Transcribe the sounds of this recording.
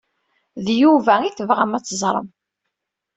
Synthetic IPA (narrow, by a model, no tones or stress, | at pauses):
ðjuvæiθəvʁæmæt͡sːəzˤɾˤə̰m